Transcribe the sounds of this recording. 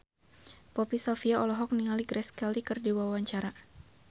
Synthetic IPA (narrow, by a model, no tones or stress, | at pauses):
pɔpisɔfiaɔlɔɦɔk̚niŋaliɡɾɛskɛlikɨrdiwawaɲt͡ʃaɾa